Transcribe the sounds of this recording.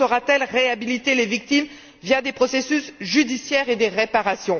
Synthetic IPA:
ɔʁat̪ɛlʁeabilit̪elevik̚t̪im | vjad̪epχɔsesysʒyd̪isjɛʁed̪eʁepaʁasjɔ̃

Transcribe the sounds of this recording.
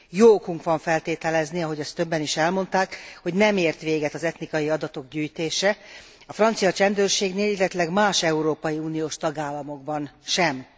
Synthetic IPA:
joːkuŋkʋɒɱfɛlt̪eːt̪ɛlɛzniɒɦo̞ɟɒst̪ːøbːɛniʃɛlmo̞nt̪aːkho̞ɟnɛmeːrt̪ʋeːɡɛt̪ɒzɛt̪nikɒjiɒd̪ɒt̪o̞ɡɟyːjt̪eːʃɛ | ɒfrɒnt̪sijɒt͡ʃɛnd̪øːrʃeːɡneːlilːɛt̪ylɛɡmaːʃɛuɾoːpɒjiuːnijoːʃt̪ɒɡaːlːɒmo̞ɡbɒnʃɛm

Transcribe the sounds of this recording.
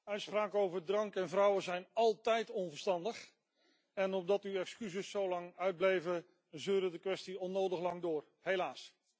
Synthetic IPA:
œɥtspraːkowvəɹdrɑŋkɛnvrʌwəzɛjnɑlˠtɛjtɔnvəɹstɑndəχ | ɛnɔb̚dɑtywɛkskyzəsːowlɑŋœɥd̚blejvə | zøːɾədəkʋɛstiɔnːowdəχlɑŋdʊːɹ | helaːs

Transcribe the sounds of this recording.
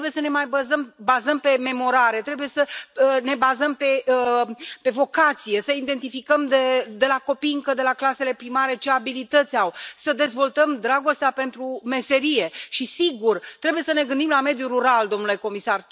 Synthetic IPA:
ɾebuje̞səne̞majbəzəmbazəmpe̞me̞mo̞ɾaɾe̞t̪ɾe̞buje̞səne̞bazəmpe̞ | pe̞vo̞kat̪sije̞səind̪e̞nt̪ifikəmd̪ed̪e̞lako̞piɨŋkəd̪e̞laklase̞le̞pɾimaɾe̞t͡ʃe̞abilit̪ət̪sʲawsəd̪e̞zvo̞lt̪əmd̪ɾaɡo̞st̪eape̞nt̪ɾume̞se̞ɾije̞ʃisiɡurt̪ɾe̞buje̞səne̞ɡɨnd̪imlame̞d̪juɾuɾald̪o̞mnule̞ko̞misar

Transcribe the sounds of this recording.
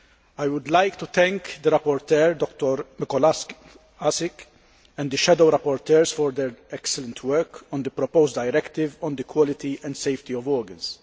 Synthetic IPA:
ajwʊd̪lajkt̪ut̪ɛ̃ŋkd̪əɾɐpːɔɾt̪ɛɾd̪ɔkt̪ɔɾmɪkɔl | asɪk | ɛ̃nd̪əʃɛd̪owɾɐpːɔɾt̪ɛːɾsfɔɾd̪ɛɾɛksɛlɛ̃nt̪wɛɾkɔ̃nd̪əpɾɔpowzd̪ɐjɾɛkt̪ɪvɔ̃nd̪əkwɔlɪt̪iʔɛ̃nd̪sejft̪iɔvɔːɾɡɐ̃ns

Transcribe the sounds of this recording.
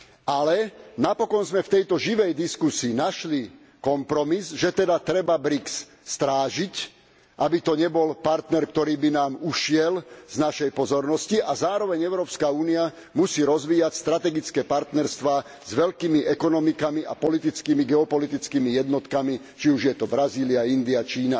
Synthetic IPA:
alɛnapɔkɔnzmɛft̪ɛjt̪ɔʒiʋɛjd̪iskusiːnaʃli | kɔmpɾɔmizʒɛt̪ɛd̪at̪ɾɛbabɾiksː | t̪ɾaːʒic | ʔabit̪ɔɲɛbɔlpaɾt̪nɛɾkt̪ɔɾiːbinaːmuʃɪɛlz̥naʃɛjpɔzɔɾnɔsciʔazaːɾɔʋɛɲɛʊɾɔːpskauːnia | musiːɾɔzʋiːjacst̪ɾat̪ɛɡit͡skɛːpaɾt̪nɛɾst̪ʋaː | zʋɛʎkiːmiʔɛkɔnɔmikamiʔa̰pɔlit̪̬it͡skiːmiɡɛɔpɔlit̪it͡skiːmijɛd̪nɔt̪kami | t͡ʃiuʒjɛt̪ɔbɾaziːliaind̪iat͡ʃiːna

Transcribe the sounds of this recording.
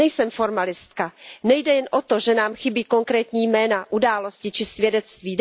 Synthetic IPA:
ɛjsɛmfo̞ɾmalɪst̪kanɛjdɛjɛnʔot̪oʒɛnaːmxɪbiːko̞ŋkɾɛːt̪ɲiːjmɛːnaʔudaːlo̞scɪt͡ʃɪsvjɛdɛt̪st̪viː

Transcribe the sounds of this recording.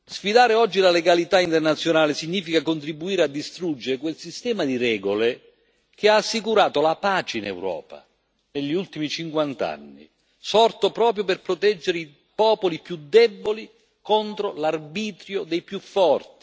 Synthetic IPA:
sfid̪aːɾeɔd͡ʒːilaleɡalit̪aint̪ernat̪sːjonaːlɪsiɲːiːfikakont̪ɾibːuiːɾead̪ːist̪ɾud͡ʒːeɾekwelsist̪ɛːmad̪iɾɛːɡole | k̟ɪaːsːikuɾaːt̪olapaːt͡ʃeinɛ̰wɾɔ̰ːpa̰ | neʎːiult̪imit͡ʃiŋkwant̪a̰nːḭ | sɔrt̪opɾɔːp̬ɾjoperpɾot̪ɛd͡ʒːeɾei | pɔːpolipjud̪ːɛbːoli | kɔnt̪ɾolarbiːt̪ɾjod̪ejpjufːɔrt̪i̥

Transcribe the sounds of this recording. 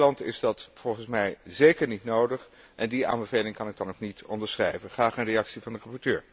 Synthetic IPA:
lɑntɪ̰zdɑtfɔlˠχənsmɛjzejkəɹnitnowdəχ | ʔɛndia̰ːmbəvejlɪŋkɑnɪɡ̚dɑnoknitɔ̰ndəɹsχrɛjvənχaːχənrejɑksivɑndərɑpɔɹtøːɹ

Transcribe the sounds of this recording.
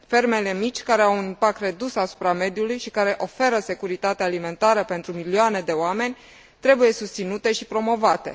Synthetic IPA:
fe̞rme̞le̞mit͡ʃʲkaɾe̞awunimpak̚t̪re̞d̪usasu̥pɾame̞d̪julujʃikaɾe̞ʔo̞fe̞ɾəse̞kuɾit̪at̪eaːlime̞nt̪aɾəpe̞nt̪ɾumilioane̞d̪e̞oame̞nʲ | t̪ɾe̞buje̞sust̪sinut̪e̞ʃipɾo̞mo̞vat̪e̞̰

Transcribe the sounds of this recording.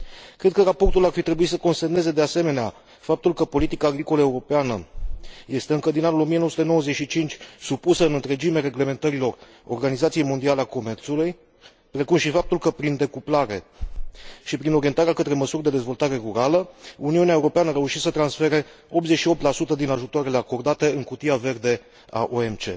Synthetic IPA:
kɾe̞d̪̚kəɾapo̞rt̪ularfit̪ɾe̞buit̪səko̞nst̪emne̞ze̞d̪e̞ase̞me̞nea | fap̚t̪ulkəpo̞lit̪ikaːɡɾiko̞ləeuɾo̞peanəje̞st̪e̞ɨŋkəd̪inanulo̞mijenowəsut̪eno̞wəze̞t͡ʃʃit͡ʃint͡ʃʲsupusəɨnɨnt̪ɾe̞d͡ʒime̞ɾe̞ɡle̞me̞nt̪əɾilo̞r | o̞̰rɡanizat̪sije̞jmo̞nd̪ialeako̞me̞rt̪suluj | pɾe̞kumʃifap̚t̪ulkəpɾind̪e̞kuplaɾe̞ | ʃipɾino̞ɾie̞nt̪aɾeakət̪ɾe̞məsurʲd̪e̞d̪e̞zvo̞lt̪aɾe̞ruɾaləuniuneaeuɾo̞peanəaɾe̞uʃit̪sət̪ɾansfe̞ɾe̞ | o̞p̪̚zet͡ʃʃio̞p̚t̪lasut̪əd̪inaʒut̪oaɾele̞ako̞rd̪at̪e̞ɨŋkut̪iave̞rd̪e̞ | a̰ʔoemt͡ʃe̞̰

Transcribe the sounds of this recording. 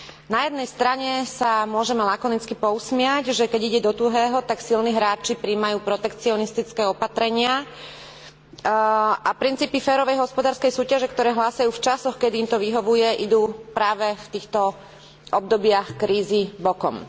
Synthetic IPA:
najɛd̪nɛjst̪ɾaɲɛsamʊɔʒɛmɛlakɔnit͡skipɔusmɪaɟʒɛkɛɟiɟɛd̪ɔt̪uɦɛːɦɔt̪aksilniːɦɾaːt͡ʃipɾiːmajuːpɾɔt̪ɛkt͡siɔnist̪it͡skɛːɔpat̪ɾɛɲɪa | ʔapɾint͡siːpifɛːɾɔʋɛjɦɔspɔd̪aːɾskɛjsuːcaʒɛkt̪ɔɾɛːɦlaːsajuːft͡ʃasɔxkɛd̪iːmt̪ɔʋiɦɔʋujɛʔid̪uːpɾaːʋɛft̪iːxt̪ɔ | ʔɔb̚d̪ɔbɪaxkɾiːzibɔkɔm

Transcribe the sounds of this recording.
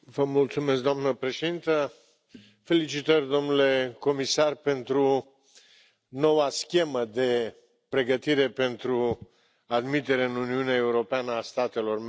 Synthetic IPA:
vəmult̪sumesk̚d̪oamnəpɾe̞ʃe̞d̪int̪ə | fe̞lit͡ʃit̪ərʲd̪o̞mnule̞ko̞misarpe̞nt̪ɾu | no̞waskʲe̞məd̪e̞ | pɾe̞ɡət̪iɾe̞pe̞nt̪ɾu | ad̪mit̪e̞ɾeɨnuniuneae̞uɾo̞peanəast̪at̪e̞lo̞rm

